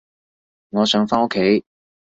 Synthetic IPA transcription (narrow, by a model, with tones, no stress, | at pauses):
ŋɔː˨˧sœː˨˥ŋfaː˥o˥kʰːe˨˥j